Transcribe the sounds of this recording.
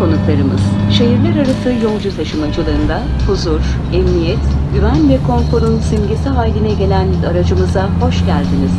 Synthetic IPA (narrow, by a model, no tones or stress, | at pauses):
kʰo̞nuklˠaɾɯmɯz̥ʃe̞ɦiɾlʲæɾaɾasɯjo̞ŋd͡ʒut̪ʰaʃɯmad͡ʒɯlˠaɾɯnd̪a | huzuɾ | ɛmnijɛt̪ɟyvænvɛkʰo̞nfo̞ɾunsimɟesiɦaːlʲinɛɟe̞lʲænaɾad͡ʒɯmɯzaho̞ʃɟælʲd̪iniz̥